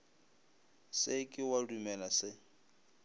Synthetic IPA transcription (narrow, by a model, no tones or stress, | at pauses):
sɪkʼɪwadumɛlasɪ